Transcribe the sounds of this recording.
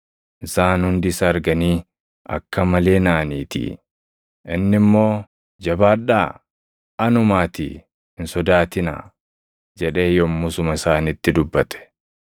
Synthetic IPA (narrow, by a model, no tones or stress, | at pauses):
ʔɪsaːnhʊnd̪ɪsɐɐɾɡɐniː | ɐ̰kːɐmɐle̞ːnaːniːt̪ḭ | ʔɪnːɪmːo̞ː | d͡ʒɐbaːᶑa̰ː | ɐnʊmaːt̪ḭ | hɪnsɔd̪aːt̪ɪna̰ː | d͡ʒɛᶑe̞ːjɔmːʊsʊmɐɪsaːnɪt̪ːɪd̪ʊbːɐt̪ɛ̥